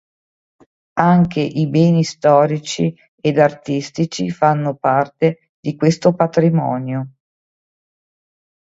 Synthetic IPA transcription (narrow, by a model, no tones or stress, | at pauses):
aŋkʰeʔibɛːnist̪ɔːɾit͡ʃi | ed̪art̪ist̪it͡ʃifanːopart̪e | d̪ikwest̪opat̪ɾimɔ̰ːnjo